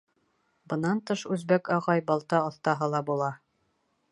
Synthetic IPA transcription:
bɤ̆nɑnt̪ɤʃʉzbækɑʁɑjbɑlˠt̪ɑŏθt̪ɑɦɤlˠɑbulˠɑ

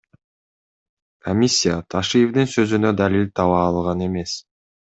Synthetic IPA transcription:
kʰomʲisʲːijat̪ʰaʃɨjevd̪ɯnsø̞zynød̪alʲilʲt̪ʰɑβɑːlˠʁɑne̞me̞s

